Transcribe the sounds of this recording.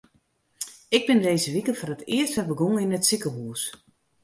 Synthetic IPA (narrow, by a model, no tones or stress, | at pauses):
ɪɡ̚bɪndeːzəʋikəfɔrətɪərstəbəɡoŋəinətsikəɦuːs